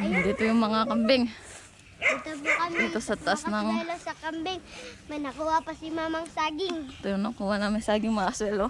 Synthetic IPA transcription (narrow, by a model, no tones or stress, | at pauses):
d̪iːt̪ojʊŋmɐŋakɐmbɛŋ | it̪ɐbukɐmd̪iːt̪osɐt̪ɐʔasnɐŋɛlosɐkɐmbɛŋmɐjnɐkuwapɐsɪmaːmɐŋsaːɡɪŋt̪ojʊŋnɐkuːwanaŋmɪnsaːɡɪŋmɐŋaswɛlo